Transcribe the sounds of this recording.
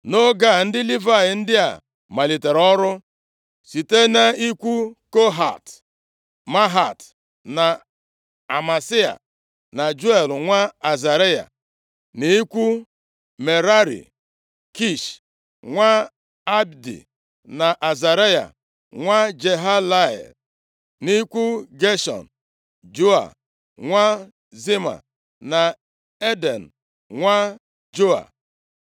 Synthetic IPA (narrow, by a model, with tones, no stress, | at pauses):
no˦ɡa˦˨n̩˦dɪ˦li˦va˦˨jɪ˨n̩˦dɪ˦a̰˨ | ma˨li˨te˨ɾɔ˦ɾʊ˦ | si˨te˦na˦i˦kʷu˦ko˦ɦa̰˨t | ma˦ɦa˨t | na˨ | a˨ma˨si˦a̰˨ | na˨d͡ʒu˦e˨lŋʷa˦a˨za˨ɾe˦ja̰˨ | ni˨i˦kʷu˦ | me˨ɾa˦ɾḭ˨ | ki˦˨ʃ | ŋʷa˦ | a˦bdḭ˨ | na˨ʔa˨za˨ɾe˦ja̰˨ | ŋʷa˦d͡ʒe˨ɦa˦la˦ɛ̰˨ | ni˦kʷu˦ɡe˦ʃɔ̰˨n̩˨ | d͡ʒo˦a̰˨ | ŋʷa˦ | zi˦ma̰˨ | na˨ | e˦de˨n̩˨ | ŋʷa˦ | d͡ʒo˦a̰˨